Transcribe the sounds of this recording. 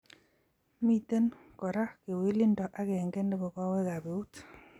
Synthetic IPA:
mi˦˨t̪e˦n | kɔ˨ɾa˦ke˨we˦li˦ndɔ˨ʔa˦ke˨ŋɡe˦nde˦bɔ˨kɔ˦we˦ɣa˨be˨u˦t

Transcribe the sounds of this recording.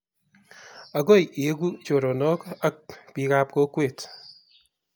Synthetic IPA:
a˨ɡo˦ji˨e˦ɡu˦t͡ʃo˨ɾo˨nɔ˦ka˦k̚pi˦ka˦p̚ko˦kweː˦˨t

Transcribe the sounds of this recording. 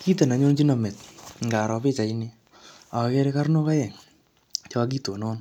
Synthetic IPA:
ki˦te˨na˨ɲo˦nt͡ʃi˦na˨mɛ˨tŋɡa˨ɾɔ˨pe˦t͡ʃa˨ini˦ | a˨˧kɛ˦ɾe˦ka˦rno˦ka˦jɛ˨ŋ | t͡ʃɔ˦a˦k̬i˦to˨nɔː˦n

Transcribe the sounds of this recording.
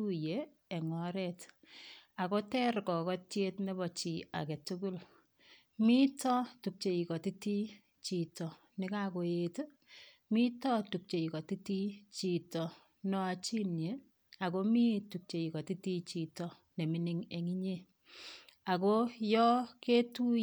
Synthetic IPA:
u˦jeː˨ | ŋɔ˨ɾɛ˦t | a˨ko˦tɛ˦ɾkɔ˨kɔ˦tje˦tne˦bɔ˨t͡ʃi˨a̰˨kɛ˨tu˦ku˦l | mi˦tɔ˦tu˨k̚t͡ʃe˨i˨kɔ˨ti˦ti˦ | t͡ʃi˨tɔ˨ | nɪ˦ka˦ko˨e˦t | mi˦tɔ˦tu˨k̚t͡ʃe˨i˨kɔ˨ti˦ti˦t͡ʃi˨tɔ˨ | nɔ˦a˨t͡ʃi˦nje˨ | a˨ko˦mi˦tu˨k̚t͡ʃe˨i˨kɔ˨ti˦ti˦t͡ʃi˨tɔ˨ | ne˨mi˦ni˦ŋe˨ŋi˦ɲe˦ | a˨ko˦jɔ˦ke˦tu˦

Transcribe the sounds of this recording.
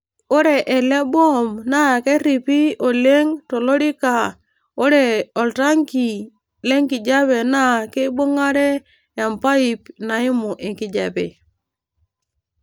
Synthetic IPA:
o˦ɾe˨ʔe˨le˦bo˦˨mna˦˨ke˦ɾi˨pi˦o˨le˦ŋto˨lo˦ɾi˦ka˨ | o˦ɾe˨o˨lta˦ŋki˨ | le˦ŋki˨d͡ʒa˦βe˨na˦˨ke˦bo˦ŋa˦ɾe˦ | ja˨mpa˦i˨pna˨i˦mu˨ʔe˨ŋki˨d͡ʒa˨bḛ˨

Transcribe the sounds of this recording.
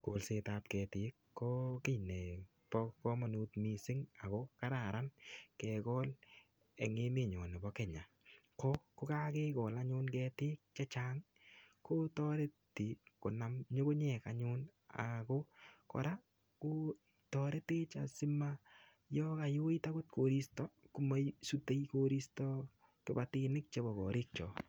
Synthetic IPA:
ko˨lse˧ta˧tkɛ˨tɪ˨˦kːɔ˦kɪ˦jnɛ˨ | pɔ˦kɔ˦ma˨nu˦tmi˨sɪ˦ŋa˨kɔ˦ka˦ɾa˨ɾa˦nkɛ˨kɔ˦l | ɛ̰˨ŋɪ˦mɪ˦˨ɲɔ˨nɪ˨bɔ˦kɛ˨ɲa˨ | kɔ˦kʊ˦ka˦ke˦kɔ˨la˦ɲʊ˦nkɛ˧tɪ˦k̚t͡ʃɛ˦t͡ʃa˦ŋ | ko˦tɔ˦ɾe˦ti˨ko˨na˨mɲo˦ko˦ɲɛ˨kaɲʊ˦na̰˨ko˦kɔ̰˨ɾa˦ | ko˦ | tɔ˧ɾe˦te˦t͡ʃa̰˨si˦ma | jɔ˦ka˨jo˦i˦ta˦kʊ˦t̚kʰo˨ɾi˦stɔ˦ku˦ma˦jsu˦te˦jko˦ɾi˦stɔ˦ | kɪ˦ba˦ti˦nɪ˦k̚t͡ʃe˦bɔ˨kɔ̰˨ɾɪ˦k̚t͡ʃɔ˨

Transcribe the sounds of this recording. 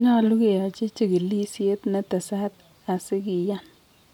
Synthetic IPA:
ɲa˦˨lu˦ke˦˨ja˨t͡ʃi˦t͡ʃi˦˨ɡi˨li˦si˦e˦tna˦ta˨sa˦t | a˨sɪ˦ki˨ja˦˨n

